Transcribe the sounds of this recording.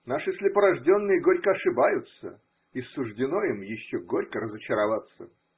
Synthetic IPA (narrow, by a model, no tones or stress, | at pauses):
naʂɨsʲlʲɪpəɾɐʐdʲo̞nːɨjəɡo̞ɾʲkəɐʂɨbajʊt̪sə̰ | isːʊʐdʲɪno̞imjɪɕːoɡoɾʲkəɾəzət͡ɕɪɾɐvat̪sə